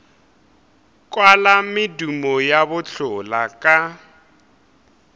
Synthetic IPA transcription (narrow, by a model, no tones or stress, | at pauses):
kʼwalamɪdumɔjabʊɬʊlakʼa